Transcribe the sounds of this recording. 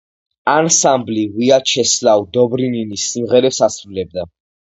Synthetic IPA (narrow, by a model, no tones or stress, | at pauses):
ansambliwiat͡ʃʰɛslawd̪ɔbɾininisːimʁɛɾɛpsasɾulɛb̚d̪a